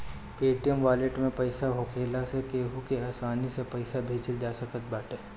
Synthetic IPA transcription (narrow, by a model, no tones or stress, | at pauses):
peːʈijəmʋaːleʈmẽpɐɪsaɦoːkʰeːlasekeːɦukeaːsaːnisepɐɪsabʱeːd͡ʒəld͡ʒaːsɐkət̪̚baːʈeː